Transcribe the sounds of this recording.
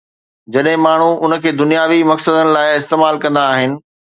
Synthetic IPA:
d͡ʑɐɗɦɪ̃maːɳ̤uʔʊnə̆kʰeːd̪ʊnijaːʋimɐksəd̪ənɪ̆laːɪɪst̪eːmaːlkɐ̃nd̪aːɦɪnɪ̆

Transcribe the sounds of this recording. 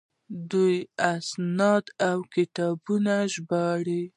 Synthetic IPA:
d̪ujasnɑd̪awkɪt̪ɑbunaʒbɑɽi

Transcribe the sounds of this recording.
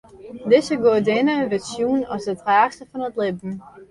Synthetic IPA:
dɪsəɡoədɪnəʋɪsjunɔsdətraːxstəfɔnətlɪbn̩

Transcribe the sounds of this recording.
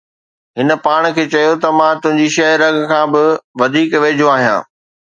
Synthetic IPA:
ɦɪnə̆paːɽ̃kʰeːt͡ɕɐjot̪ɐmãːt̪ʊ̃ɦɪ̃ɲ̆d͡ʑiʃɐɦɾɐɡkʰãːbɪʋɐd̪ʱiːkʋeːd͡ʑʱoaːɦijã̰ː

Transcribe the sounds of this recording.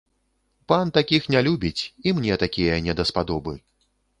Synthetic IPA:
pant̪akʲixnʲalʲubʲit͡sʲimnʲɛt̪akʲijɐnʲɛd̪ɐspad̪ɔbɨ

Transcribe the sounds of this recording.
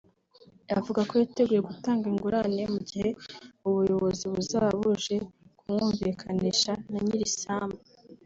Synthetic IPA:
avuɡako̞jate̞ɡuje̞ɡutaːŋɡiŋɡuɾaniemuɟihe̞uβujo̞βo̞ziβuzaβuʒe̞kumŋuːɱvikʰaniʃanaɲiɾisaːmba

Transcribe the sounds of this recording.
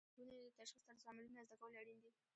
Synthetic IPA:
unet̪aʃxist̪aɾsamɪlunazd̪akawəleaɽind̪i

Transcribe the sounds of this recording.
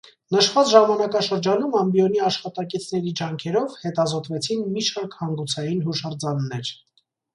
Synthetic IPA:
nəʃvɑt͡sʒɑmɑnɑkɑʃəɾd͡ʒɑnumɑmbjɔniɑʃχɑt̪ɑkit͡sʰnɛɾid͡ʒɑŋkʰɛɾɔvhɛt̪ɑzɔt̪vɛt͡sʰinmiʃʰɑɾkhɑŋɡut͡sʰɑjinɦuʃɑɾd͡zɑnːɛɾ

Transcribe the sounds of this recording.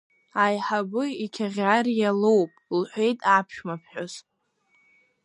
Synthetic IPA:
ajħabɨikʲʰaʁʲarjalowpʼlħʷe̞jtʼapʰʃᶣmapʰħᶣoz

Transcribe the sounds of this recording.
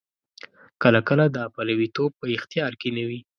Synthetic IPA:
kəlakəlad̪əapalawit̪ob̚pəɪxt̪ijɑɾkenawi

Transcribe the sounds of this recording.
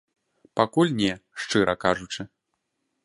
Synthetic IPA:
pakulʲnʲɛʂt͡ʂɨɾʔɐkaʐut͡ʂɨ

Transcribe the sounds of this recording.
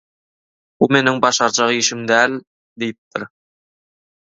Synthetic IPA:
bume̞nɪŋbɑʃɑɾt͡ʃɑʁʃɪmd̪æl | d̪ejɪp̚t̪ɪɾ

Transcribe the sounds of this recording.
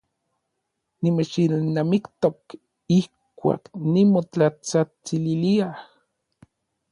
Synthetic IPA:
nimet͡ʃilnamikt̪ok | ihkʷa̰ːknimot͡ɬat͡sat͡sililiah

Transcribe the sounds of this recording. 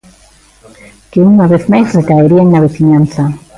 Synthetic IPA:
keuŋaβeθmajsrekaeɾiaŋnaβeθiɲan̟θa

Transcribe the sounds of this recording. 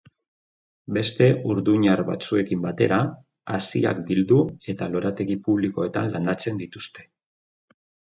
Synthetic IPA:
be̞st̪e̞ʔuɾðuɲaɾβa̰t͡sue̞kimbat̪e̞ɾa | asia̰kd̪ild̪ue̞t̪alo̞ɾat̪e̞ɣipuβ̞liko̞e̞t̪anland̪at͡se̞nd̪it̪ust̪e̞̥

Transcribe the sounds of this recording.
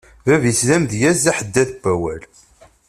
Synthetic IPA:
vævislæmðjæzæħəd̪ːæθbːæwæl

